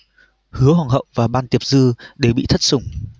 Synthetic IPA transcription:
hɨ˨˦əɦɔ˨˩ŋɦə̰˧˨wvaː˨˩ɓaː˧nt̪i˨˩əp̚zɨ˧ɗe˨˩wɓḭ˧˨t̪ʰə˦˥t̚sʊ˨˩ŋ͡m

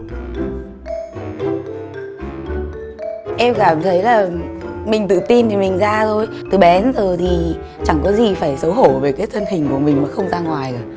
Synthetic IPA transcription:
ʔɛ˧mkaː˧˩mt̪ʰə˨˦jlaː˨˩mï˨˩ŋ̟t̪ɨ̰˧˨t̪i˧nt̪ʰi˨˩mï˨˩ŋ̟zaː˧zʰo˧j | t̪ɨ˨˩ɓɛ˨˦nzo˨˩jt̪ʰi˨˩ | t͡ɕa˧˩ŋkɔ˨˦zi˨˩faː˧˩jsə˨˦wɦo˧˩ve˨˩kaː˨˦jt̪ʰə˧nhï˨˩ŋ̟ku˧˩əmï˨˩ŋ̟maː˨˩xə˧wŋ͡mzaː˧ŋwaː˨˩jaː˧˩

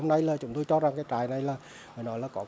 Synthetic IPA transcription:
o˧ŋ͡mna˧jlaː˨˩t͡ɕʊ˨˦ŋ͡mt̪o˧jt͡ɕɔ˧zaː˨˩ŋkaː˨˦jt͡ɕaː˨˩jna˨˩jlaː˨˩ | məː˨˩nɔ˨˦jlaː˨˩kɔ˨˦

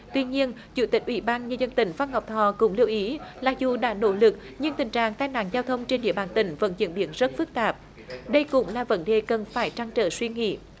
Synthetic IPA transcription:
t̪wi˧ɲi˧ən | t͡ɕṵ˧˩t̪ï˨˩k̟̚ʔwḭ˧˩ɓaː˧nɲəː˧zə˧nt̪ï˧˩ŋ̟fa˧nha˨˩wk͡p̚t̪ʰɔ˧˩kʊ̰˧˥ŋ͡mli˧əwʔi˨˦laː˨˩zu˨˩ɗa̰ː˧˥no̰˧˥lɨ˨˩k̚ | ɲɨ˧ŋt̪ï˨˩ŋt͡ɕa̰ː˧˨ŋt̪aː˧jna̰ː˧˥ŋzaː˧wt̪ʰə˧wŋ͡mt͡ɕe˧nɗḭ˧əɓaː˧˩nt̪ï˧˩ŋ̟və̰˧˥nzḭ˧˥ənɓi˧˩ənzə˦˥t̚fɨ˦˥k̚t̪aː˨˩p̚ | ɗə˧jkʊ̰˧˥ŋ͡mlaː˨˩və̰˧˥nɗe˨˩kə˨˩nfaː˧˩jt͡ɕa˧ŋt͡ɕə̰ː˧˩swi˧ŋḭ˧˥

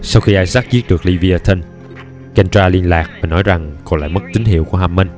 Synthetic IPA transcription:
sa˧wxi˧ʔaː˧jsaː˦˥k̚zi˦˥t̚ɗɨ˨˩ək̚li˧vi˧aː˧t̪ʰə˧n | ka˧nt͡ɕaː˧li˧ənlaː˨˩k̚vaː˨˩nɔ˨˦jza˨˩ŋkɔ˧˩nla̰ː˧˨jmə˦˥k̚t̪ï˨˦ŋ̟ɦḭ˧˨əwku˧˩əɦaː˧˩mːə˧n

